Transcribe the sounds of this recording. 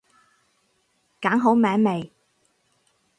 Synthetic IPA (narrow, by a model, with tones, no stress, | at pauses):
kaː˨˥ŋɦo˨˥wmɛː˨˥ŋme˨j